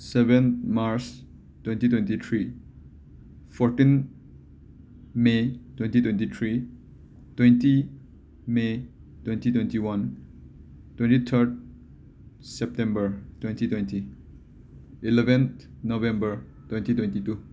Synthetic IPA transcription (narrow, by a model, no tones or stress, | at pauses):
sebenmaɾs | twentitwentit̪ʰɾi | pʰɔɾtin | metwentitwẽntit̪ʰɾi | twenti | metwentitwentiwan | twentitʰəɾt̚ | sɛp̚tẽmbəɾtwentitwejnti | ilebent | nobẽmbɐɾ | twejntitwentitu